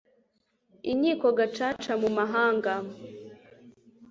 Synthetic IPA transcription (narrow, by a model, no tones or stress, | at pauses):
iɲiːko̞ɡat͡ʃaːt͡ʃamumaɦaːŋɡa